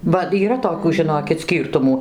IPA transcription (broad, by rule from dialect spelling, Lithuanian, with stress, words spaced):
bɐ iːˈrɐ toːˈkʲuː ʒʲɪˈnoːkʲɪt ˈsʲkʲiːrtʊmuː